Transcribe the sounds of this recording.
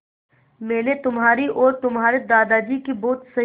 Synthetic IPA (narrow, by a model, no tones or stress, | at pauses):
mɛːnet̪ʊmɦaːɾiʔɔːɾt̪ʊmɦaːɾed̪aːd̪aːd͡ʒikiboːt̪sɐ